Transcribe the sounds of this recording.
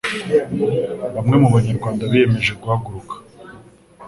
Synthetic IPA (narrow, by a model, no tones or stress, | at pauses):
βamŋe̞muβaɲaɾɡwaːndaβijeme̞ʒeɡuhaɡuɾukḁ